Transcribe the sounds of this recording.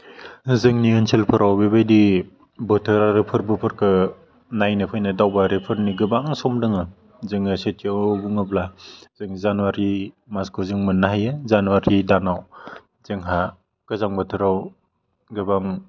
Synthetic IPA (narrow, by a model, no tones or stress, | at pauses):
zɯŋniɯnsʰelpʰɯɾawbebajdi | bɯtʰɯɾaɾɯpʰɯɾbɯpʰɯɾkʰɯ | najnɯpʰɯjnɯdawbaɾepʰɯɾniɡɯbaŋsɔmdɯŋɯ | zɯŋɯset̚ʰebuŋɯblazɯŋzanuwaɾi | maskʰɔzɯŋmɯnːaɦajɯzanuwaɾidanaw | z̥ɯŋɦa | ɡ̥ɯzaŋbɔtʰɯɾaw | ɡɯbaŋ